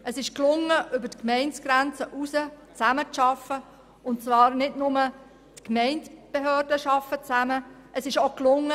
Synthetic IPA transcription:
əsɪʃklʊŋːəʔʏbətkmɛɪnt͡sɡ̥ɾænt͡səʔusət͡sæmət͡sʃɑfə | ʊntt͡svɑːɾnɪdnʊmə | tkmɛɪntb̥eɦøːrdəʃɑfːət͡sæməʔəsɪʃoklʊŋːə

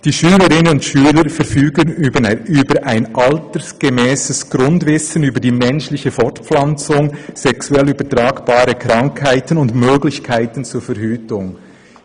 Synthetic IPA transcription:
d̥iːʃyːləɾɪnənʊntʃyːləɾfɛɾfyːɡənyːbəɾʔaɪnʔaltəsɡ̥emɛːsəsɡ̥ɾʊndvɪsənyːbədiːmɛnʃlɪçəfɔɹtp͡flant͡sʊŋz̥ɛksuɛlyːbətʁaːɡb̥aːɾəkʁaŋkʰhaɪtənʊndmøːɡlɪçkʰaɪtənt͡suːfɛɐhyːtʊŋ

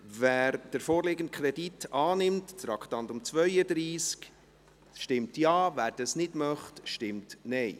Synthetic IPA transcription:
væːɾd̥əɾfoːɾlɪɡən̩t̚kʰɾɛditɑːnɪmttɾɑkχtɑntʊmt͡svœʏədɾiːsk | ʃtɪmtjɑːvæːɾd̥ɑsnɪdmœχtʃtɪmtnɛj

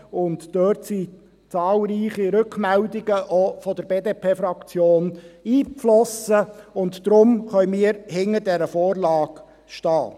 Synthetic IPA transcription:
ʊntd̥øɾtsi | t͡sɑːlɾiːχiɾɵkmɛldɪɡ̥əʔofɔd̥əɾbeːdeːpʰeːfɾɑkt͡sjoːniːflɔsəʊntd̥ɾʊmχœʏmiːəɾhɪŋədɛɾəfoːɾlɑːk | ʃtɑː

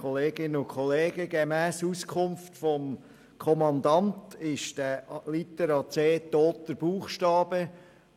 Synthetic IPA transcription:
ɔleːɡɪnəʊkχɔleːɡ̥əɡemæːsuskʰʊmftfɔm | kʰɔmɑnd̪ɑntɪʃd̥ælit̪əɾɑt͡seːt̪ːoːtəɾb̥uːχʃtɑːb̥ə

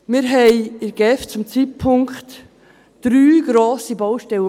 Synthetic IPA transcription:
mɪɾɦɛɪɪɾɡ̥ɛft͡sʊmt͡sit̚pʰʊŋkχt | d̥ɾyːɡ̥ɾoːsibɔwʃtɛlə

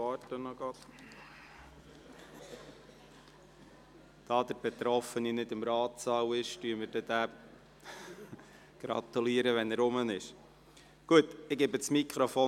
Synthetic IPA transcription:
ɑːtːənɔɡɑt̪ | d̥ɑːd̪əɾb̥ɛt̪ɾɔfəninɪd̪ɪmɾɑːt̪sɑwɪʃtyəməɾd̥ɛd̥̪æː | ɡ̥ɾɑ̰t̪uliəɾəʋɛnæɾʊmənɪʃ | ɡ̥uətɪɡeːbət͡smikʰχɾofoː

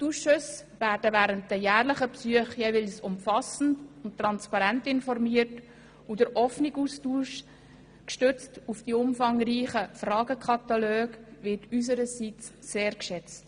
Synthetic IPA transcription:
tuʃʊsʋæːɾdəvæːɾənt̚d̥əjæːɾləχəpsyəχjɛvɪlsʊmfɑsn̩dʊnttːɾɑnspɑɾæntɪnfɔrmiːərt | udəɾʔɔfniɡustuːʃ | kʃtʏt͡stufd̥iʊmfɑŋɾiːχəfrɑːɡəkʰɑt̪ɑløːɡʋɪtys̬əɾəsit͡sːeːɾkʃɛt͡st

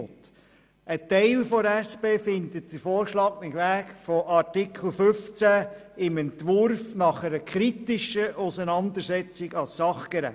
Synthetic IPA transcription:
t | ʔətɛɪlfɔæspeːfɪnd̪ətd̥əɾfoːɾʃlɑːɡnɪχʋæːkfɔʔɑtikʰl̩ˠfʏft͡sæɪmɛnt̪ʋʊɾfnɑχɛɾəkʰɾit̪ɪʃəʔusənɑnd̪əɾsɛt͡sɪɡɑssɑχkɛɾæ̰

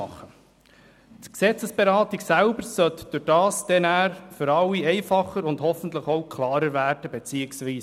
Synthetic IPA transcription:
ɑχːə | tksɛt͡səsb̥eɾɑːtiɡsælbəɾsœtd̥ʊd̥ɑːsd̥̪ɛnæːɾfʏɾɑlːiɛɪfɑχəɾʊndhɔfən̩t̪ləχowkʰlɑːɾəɾvæːɾd̥əbet͡siːəksʋiːs

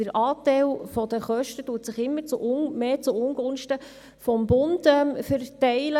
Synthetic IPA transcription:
əɾʔɑːtɛɪlfɔd̥̪əχœʃtətuətsɪχɪmːəɾt͡sʊʔmeːt͡sʊʊŋɡ̥ʊnʃtə | fɔmbʊndɛmfəɾtɛɪlə

